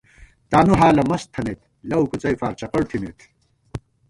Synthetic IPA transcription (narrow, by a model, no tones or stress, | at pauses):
t̪aːnuɦaːlɐmɐst̪ʰɐnet̪ | lɐwkut͡sɐjfaːɾt͡ɕɐqɐɽt̪ʰinet̪ʰ